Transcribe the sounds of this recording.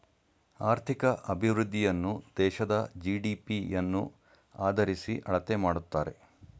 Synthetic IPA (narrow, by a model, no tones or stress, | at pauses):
aːɾt̪ʰikɐʔɐbʱiʋɾud̪ːijɐnːud̪̥ɛːʃɐd̪ɐd͡ʒiːɖiːpijɐnːu | aːd̪ɐɾisiʔɐɭɐt̪emaːɽut̪ːaːɾe̞̰